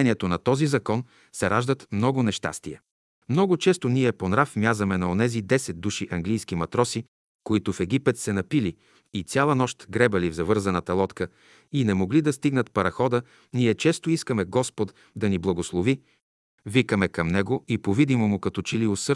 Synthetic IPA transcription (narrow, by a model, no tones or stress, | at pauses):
ɛniɛt̪onɐt̪ɔzizɐkɔn | sɛɾaʒd̪ət̪mnɔɡʊnɛʃt̪a̰st̪iɛ | mnɔɡʊt͡ʃɛst̪oniɛponɾafmjazɐmɛnɐonɛzid̪ɛsɛd̪̚d̪uʃiʔɐŋɡlijsk̟imɐt̪ɾɔsi | koit̪ʊfɛɡ̟ipɛt̪sɛnɐpili | it̪sʲalˠɐnɔʃt̪ɡɾɛbɐlivzɐvɤɾzɐnət̪ɐlˠɔt̪kə | inɛmoɡlid̪ɐst̪iɡnət̪pɐɾɐxɔd̪ə | niɛt͡ʃɛst̪oiskəmɛɡɔspot̪ | d̪ɐniblˠɐɡoslˠovi | vikəmɛkɐmnɛɡoipovid̪imomʊkɐt̪ɔt͡ʃiliosɤ